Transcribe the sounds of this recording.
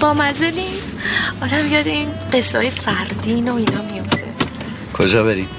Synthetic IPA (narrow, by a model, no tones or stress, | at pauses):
bɒːmæzeniːsɒːd̪æmijɒd̪eiːnɢe̞sːehɒ̰ːjefæɾd̪iːnoinɒːmiofd̪̥e̞̰ | kʰod͡ʒɒːbeɾiːm